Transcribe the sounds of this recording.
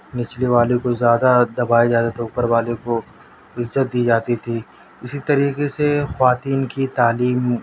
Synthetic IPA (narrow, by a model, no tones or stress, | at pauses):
nɪt͡ʃliʋaːlekozjaːd̪ad̪ɐbaːed͡ʒaːd̪at̪ʰeʊpəɾʋaːlẽko | ɪzːət̪̚d̪iːd͡ʒaːt̪it̪ʰiː | ɪsit̪ɐɾiːqesexʋaːt̪iːnkit̪aːliːm